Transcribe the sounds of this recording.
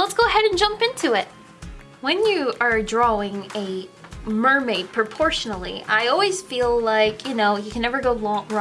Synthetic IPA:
lətsɡ̥oʊəɦɛɾɨ̃nd͡ʒʌ̃mpɪ̃ntʰʉɪt̚ | wɨ̃njɨʔə˞dɹɔɪ̃ŋɨmɜ˞meɪd̚pʰɹ̥ɨpʰɔɹʃn̩l̩ˠḭʔaɪɔlˠwiz̥filˠlaɪkʰjɨnoʊjɨkʰɨ̃nːɛvə˞ɡoʊlɔ̃ŋɹ

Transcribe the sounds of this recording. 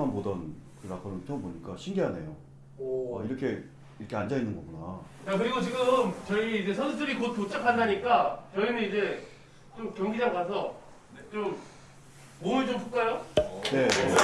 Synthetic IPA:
anbodʌnkɯɾakʰʌnɯnpʰjʌŋboɲik͈aɕʰinɡeɦane̞̰jo | ʌ̰iɾʌkʰe̞ | iɾʌkʰeand͡ʑainːɯnɡʌɡuna | t͡ɕakɯɾiɡot͡ɕiɡɯmt͡ɕʌiid͡ʑe̞sʰʌnsʰudɯɾikot̚kot͡ɕ͈akʰandaɲik͈at͡ɕʌinɯnid͡ʑe̞ | t͡ɕomkjʌŋɡid͡ʑaɡasʰʌ | t͡ɕomː | onɯt͡ɕompʰuk͈ajone̞

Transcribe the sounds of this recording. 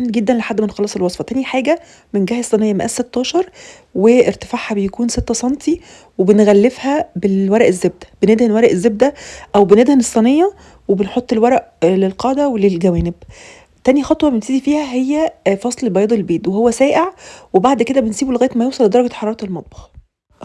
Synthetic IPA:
mːɡed̪ːænleħad̪ːmenxɑlːɑːsˤelwɑsˤfɑt̪æniħaːɡæ | menɡæhesˤːɑnejːɑmæʔæsːet̪ːɑːʃɑɾˤ | weeɾt̪e̥faʕhæbejækuːnset̪ːæsˤɑnt̪i | webenɣælːefhæbelwæɾˤæʔezːeb̚d̪æ̥b̥ened̪hænwæɾˤɑʔezːeb̚d̪æʔæwbened̪hænesˤːɑnejːɑ | webenħot̪ˤːelwæɾˤɑʔlelqɑːd̪æwelelɡæwæːneb | t̪ænixɑt̪ˤwɑbent̪iːd̪ifiːhæɦejːæfɑsˤlebɑjɑːd̪ˤelbeːd̪wehowːæsæːʔeʕwebaʕd̪ked̪æbensiːbulɣæːjt̪mæjeːsˤɑlːed̪ɑɾˤɑɡæħɑɾˤɑːɾˤɑt̪elmɑt̪̚ˤbɑ̥x

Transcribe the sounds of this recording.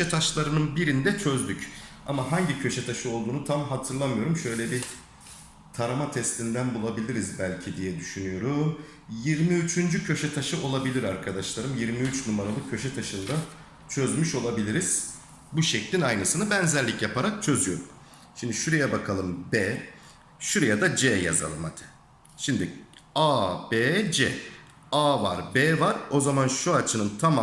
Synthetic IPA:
ɛt̪ʰaʃlˠaɾɯnɯnbiɾind̪ɛt͡ʃʰøzd̪yc | amaɦaɲɟicʰø̞ʃɛt̪ʰaʃɯo̞lˠd̪uːnut̪ʰamɦat̪ʰɯɾlˠamɯjo̞ɾumʃø̞jlʲɛbi | t̪ʰaɾamat̪ʰɛst̪ʲind̪ænbulˠabilʲiɾizbælʲcʰid̪ijɛd̪yʃynyjo̞ɾum | jiɾmiyt͡ʃʰynd͡ʒycʰø̞ʃɛt̪ʰaʃɯo̞lˠabilʲiɾaɾkʰad̪aʃlˠaɾɯmjiɾmiyt͡ʃnumaɾalˠɯkkʰːø̞ʃɛt̪ʰaʃɯnd̪a | t͡ʃʰø̞zmyʃo̞lˠabilʲiɾiz̥ | buʃɛclʲinajnɯsɯnɯbɛnzɛɾlʲicjapʰaɾak̚t͡ʃʰø̞zyjo̞ɾum | ʃimd̪iʃuɾejɛbakʰalˠɯmbɛː | ʃuɾejad̪ad͡ʒɛja̰za̰lˠɯmha̰t̪ʰɪ̥ | ʃimd̪iaːbed͡ʒɛ̰ | aːvaɾbeːvaɾo̞zamanʃuat͡ʃʰɯnɯnt̪ʰama

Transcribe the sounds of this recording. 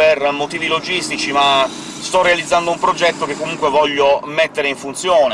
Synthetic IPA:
permot̪iːvilod͡ʒist̪it͡ʃima | st̪ɔrːealid̪zːand̪oumpɾod͡ʒɛt̪ːokekːomuŋkwevɔʎːomet̪ːeɾeiɱfunt̪sjoːne

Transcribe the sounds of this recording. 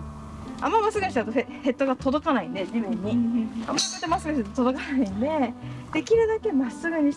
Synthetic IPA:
a̰mːamasɨɡɯɲiɕt̪at̪ohe̞t̪ːoɡat̪o̞d̪o̞kanaine̞d͡ʑibɯ̃ɲ̟ːiamːakoet̪emasɨɡɯ̟t̪t̪o̞d̪okanaĩne̞d̪̥e̞kʲiɾɯ̟d̪ake̞masɨɡɯ̟ɲ̟i

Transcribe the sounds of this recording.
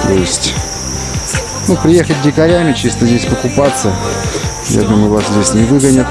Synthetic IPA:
t̪oɪsʲtʲ | nupɾʲɪje̞xət̚ʲdʲɪkɐɾʲæmʲɪt͡ɕist̪əzʲdʲesʲpəkʊpat̪sːə | ja̰d̪uməjʊvaszʲdʲesʲnʲɪvɨɡənʲət̪

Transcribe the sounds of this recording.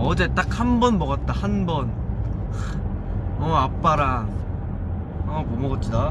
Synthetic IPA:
ʌd͡ʑe̞t͈ak̚hanbʌnmʌɡat̚t͈ahanbʌn | ʌap͈aɾa | ʌkomʌɡʌt͡ɕ͈ʰida

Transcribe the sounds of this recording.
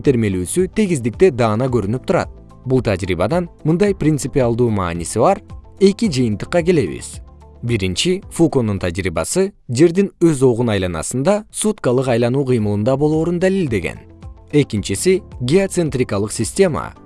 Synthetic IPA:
t̪e̞ɾme̞lyːsyt̪ʰeɡizd̪ik̚t̪e̞d̪ɑːnɑkø̞ɾynyp̚t̪uɾɑ̰t̪̚ | bulˠt̪ʰad͡ʒɾḭβɑd̪ɑnmɯnd̪ɑjprʲɪnt̪sɨpʲialˠd̪uːmɑ̰ːnisiβɑɾ | e̞kid͡ʒɯjɯnt̪ɯqːɑke̞le̞βḭz̥ | biɾint͡ʃifuko̞nunt̪ʰad͡ʒɾḭːbɑ̰sɯd͡ʒe̞ɾd̪inøzo̞ʁunɑjlˠɑnɑ̰sɯnd̪ɑsut̪kɑlˠɯqɑjlˠɑnuːqʰɯjmɯlˠɯnd̪ɑbo̞lˠo̞ːɾund̪alilʲd̪e̞ɡḛn | e̞kint͡ʃisiɡʲeot̪sent̪rʲikɑlˠɯqsʲɪsʲtʲe̞mɑ̰

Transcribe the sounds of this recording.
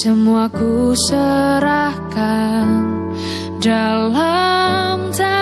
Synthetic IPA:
səmuakusəɾahkan | dalamsa

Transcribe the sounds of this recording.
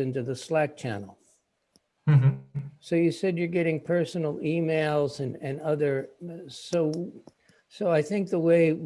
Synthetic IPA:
ɪ̃ntʉðəslæk̚t͡ʃʰæ̰nl̩ˠ | soʊjɨsɛd͡ʒjə˞ɡɛɾɪ̃ŋpʰɜ˞sn̩l̩ˠimeɪlˠzɨ̃nɨ̃nʌðə˞soʊ | soʊaɪθɪ̃ŋk̚ðəweɪ

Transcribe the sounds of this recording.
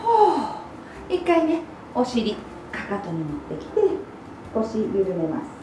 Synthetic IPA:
o | ikːaine | o̞ɕiɾʲi | kakat̪o̞ɲ̟inot̪ːe̞kʲi̥t̪e̞ | o̞ɕijɯɾɯ̟me̞ma̰sɨ̥

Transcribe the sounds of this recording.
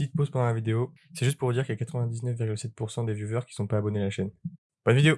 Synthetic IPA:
it̪̚pozpɑ̃d̪ɑ̃lavid̪eo | sɛʒyst̪̚puʁəd̪iʁkəilakat̪χəvɛ̃d̪iznœfviʁɡʲylsɛt̪̚puʁsɑ̃d̪evjuvœʁkʲi̥sɔ̃paːbɔnealaʃɛn | b̥ɔnvid̪eo

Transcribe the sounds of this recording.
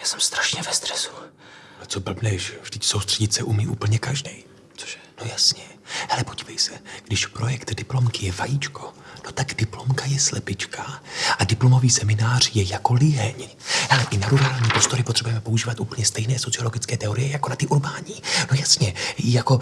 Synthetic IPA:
jaːsɛmst̪ɾaʃɲɛvɛst̪rɛsu̥ | t͡sobl̩bnɛʃvdɪcso̞wst̪r̥ɛɟɪt̪sɛʔumiːʔṵːpl̩ɲɛkaʒdɛj | nojasɲɛ | halɛpo̞ɟiːvɛjsɛɡ̥dɪʃpɾo̞jɛkt̪dɪplo̞mkɪjɛvajit͡ʃko̞̥no̞t̪aɡdɪplo̞mkajɛslɛpɪt͡ʃkaʔadɪplomo̞viːsɛmɪnaːr̝jɛjako̞lɪjɛɲ | alɛʔɪnaɾuɾaːlɲiːpɾo̞st̪o̞ɾɪpot̪r̥ɛbujɛmɛpo̞uʒiːvat̪ʔuːpl̩ɲɛst̪ɛjnɛːso̞tt͡sɪo̞lo̞ɡɪt͡skɛːt̪ɛo̞ɾɪjɛjakonat̪ɪʔuɾbaːɲiːno̞jasɲɛjako̞

